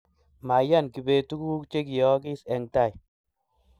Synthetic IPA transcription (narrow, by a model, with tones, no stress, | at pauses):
ma˨ja˦˨nki˨be˨tu˦ku˦k̚t͡ʃe˦ki˨jɔ˦ki˦sɛ˨ŋta˦˨j